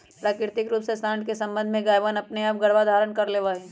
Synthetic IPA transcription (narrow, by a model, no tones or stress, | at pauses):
pɾaːkɪɾt̪ɪkɾuːpsesãːɳkesɐ̃mbə̃nd̪ʱmẽɡaːjʋanɐpneaːp̚ɡɐɽʋad̪ʱaːɾənkɐɾleːʋaːẽː